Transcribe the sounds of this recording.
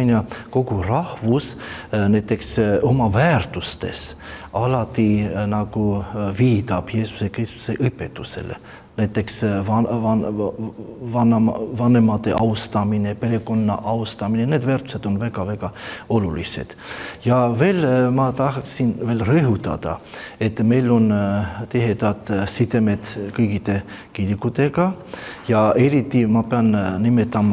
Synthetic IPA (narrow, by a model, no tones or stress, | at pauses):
nɑko̞kurɑhvus | næjt̪ːˑe̞kso̞mɑvæːrt̪ust̪e̞̰s | ɑlɑt̪ːˑinɑkuviːt̪ɑb̥je̞ːsu̥se̞krist̪u̥seʔɤjpːet̪ːˑuse̞̰lḛ | næjt̪ːˑe̞ksvɑnɑn | vɑnɑmɑvɑnemɑt̪ːe̞ʔɑwst̪ɑminepe̞ɾe̞ko̞nːɑ̰ʔɑwst̪ɑminene̞ːd̪væːɾrt̪u̥se̞d̪̥o̞nvækɑvækɑolulḭsḛd̪̥jɑveːlmɑt̪ɑhksinveːlreɦut̪ːɑ̰d̪ɑ̰et̪ːmejlont̪eɦet̪ɑt̪sit̪emet̪kɤjkit̪ekiɾikut̪ekɑ | jɑeɾit̪ːimɑpeɑnnimet̪ːɑmɑ